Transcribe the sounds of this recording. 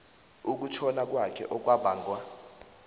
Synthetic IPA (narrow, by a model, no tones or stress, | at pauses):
uk̬ut͡ʃʰɔnak̬wakʰɛ̰ʔɔk̬wabʱaːŋɡwa